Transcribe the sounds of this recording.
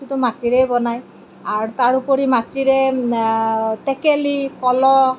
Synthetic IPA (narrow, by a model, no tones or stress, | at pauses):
it̪ɔmatiɾejbɔnaj | aɾt̪aɾupɔɾimatiɾe | t̪ekelikɔlɔ